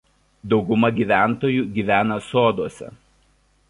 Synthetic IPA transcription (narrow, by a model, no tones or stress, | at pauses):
d̪ɒʊɡʊmɐɡʲiːʋʲæˑnˑt̪oːjuːɡʲiːʋʲæːnɐsoːd̪uɔsʲɛ̰